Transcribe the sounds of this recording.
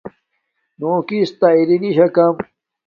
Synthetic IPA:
noːkist̪ɐiɾiniɕɐkɐm

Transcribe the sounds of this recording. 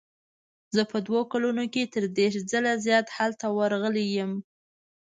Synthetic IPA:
zəpəd̪wokalunoket̪əɾd̪eʃd͡zəlazjɑt̪halt̪awaɾɣəlejəm

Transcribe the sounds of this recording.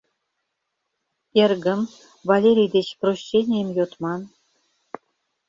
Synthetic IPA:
erɡə̆m | vɑlʲeɾʲijd̪et͡ɕproɕʲːenʲejəmjot̪mɑn

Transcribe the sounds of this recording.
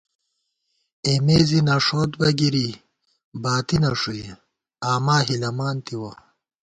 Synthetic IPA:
emeːzinɐʂoːt̪bɐɡiɾi | baːt̪inɐʂue | aːmaːɦilɐmaːnt̪iwɐ

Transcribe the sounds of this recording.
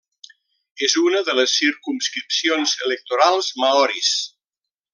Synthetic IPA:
ezunəðələsːiɾkumskɾipsionzələk̚t̪uɾalˠzmaɔɾis

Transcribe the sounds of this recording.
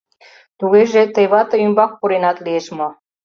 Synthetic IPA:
t̪uɣeʒet̪ejβɑt̪əymbɑk̚puɾenɑt̪lieʃmo

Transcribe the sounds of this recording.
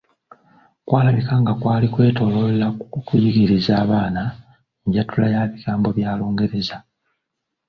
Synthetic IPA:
kwaːlaβikaŋɡakwaːlikwe̞ːto̞lollakujiɡiɾizaːβaːna | ɲɟatulajaβiɡaːmbo̞βjaːlo̞ːŋɡe̞ɾe̞za

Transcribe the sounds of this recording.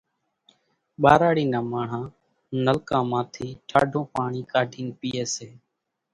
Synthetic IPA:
ɓaːɾaːɽiːnãːmaːɳ̤ãː | nəlkãːmãːt̪ʰiːʈʰaːɖʱõːpaːɳiːkaːɖʱiːnpiːeːseː

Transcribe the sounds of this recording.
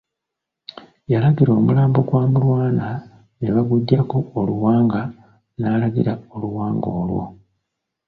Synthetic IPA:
jalaɡiɾo̞ːmulaːmbo̞kwaːmulwaːna | neβaɡuɟːakoːluwaːŋɡa | naːlaɡḭɾaoluwaːŋɡo̞ːlwo̞̰

